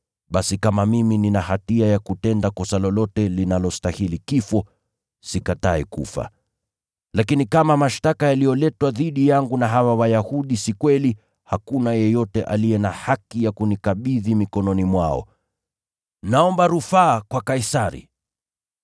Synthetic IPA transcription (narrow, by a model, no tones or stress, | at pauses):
ɓasikamamimininahatiajakutɛndakɔsalɔlɔtɛlinalɔstahilikifɔ | sikataɛkṵfa̰ | lakinikamamaʃtakajalijɔlɛtwaðiɗijaŋɡunaɦawawajahuɗisikwɛli | hakunajɛjɔtɛʔalijɛnahakijakunikaɓiðimikɔnɔnimwaɔ̰ | naɔmbaɾufaːkwakaisaɾḭ